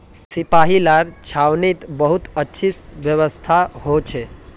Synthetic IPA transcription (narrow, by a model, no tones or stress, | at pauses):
sipaɦilaɾt͡ʃʰawnit̪bəɦut̪ətːʃʰisbjəβəst̪ʰahot͡ʃʰe